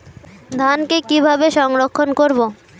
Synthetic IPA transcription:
d̪ʱankekibʱabeʃɔŋɾokʰːonkoɾbo

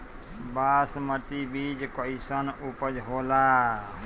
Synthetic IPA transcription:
baːsmət̪ibid͡ʒkɔisənupəd͡ʒɦola

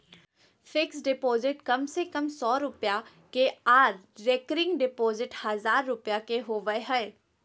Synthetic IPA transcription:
fʰɪksɖɪpoːzɪʈkɐmsekɐmsɔːɾʊpja | keaːɾɾeːkəɾɪ̃ŋɡɖɪpoːzɪʈhɐzaːɾːʊpjakeɦoːʋəeɦɛː

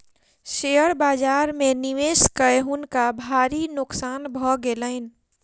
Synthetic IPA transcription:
ʃejəɾbaːd͡ʒaːɾmẽniʋeːskəɦʊnkabʱaːɾinʊksaːnbʱɔɡeləɪn

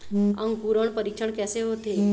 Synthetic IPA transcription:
ã̰ŋɡpuɾəɳpəɾikʂəɳkɛseɦot̪e

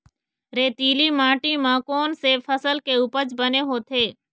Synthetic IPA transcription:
ɾeːt̪iːlimãːʈimãːkoːnsefʰəsəlkeʊpəd͡ʒbəneɦoːt̪ʰeː

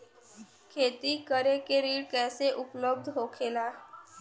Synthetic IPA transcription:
kʰeːt̪ikəɾekeɾiːɽkɛːseʔʊpləb̚d̪ɦoːkʰeːlaː

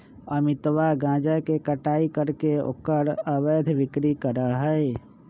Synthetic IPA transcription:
əmɪt̪ʋaɡãːd͡ʒəkekəʈaːikəɾkeo̰kəɾəbed̪ʱʋɪkɾikəɾəɦəe

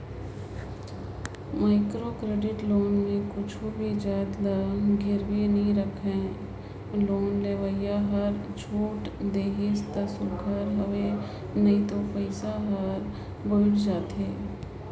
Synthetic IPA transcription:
maːɪkɾokɾeːɖɪʈloːnmẽkʊt͡ʃʰubʱid͡ʒaːd̪laɡʱɪɾwenɐɦĩɾəkʰẽ | loːnleːʋəjjaɦɐɾd͡ʒʰʱuːʈd̪eːɦɪst̪əsʊɡʱəɾɦəʋe | nɐɦĩt̪opəɪsaɦəɾ | bʊʈd͡ʒaːt̪ɦeː

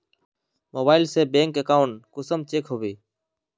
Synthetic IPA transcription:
moːbaːɪlseːbẽːŋkəkaːʊɳkʊsəmt͡ʃeːkɦoːʋiː

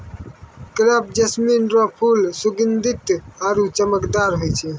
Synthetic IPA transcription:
kɾap̚ʰd͡ʒəsminɾɔpʰulsuɡənd̪it̪aɾut͡ʃəməkd̪aɾɦojt͡ʃʰɛ

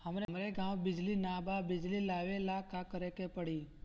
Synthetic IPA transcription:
ɦəmɾemɾeɡãwbɪd͡ʒlinababɪd͡ʒlilaʋelakakəɾekepəɽi

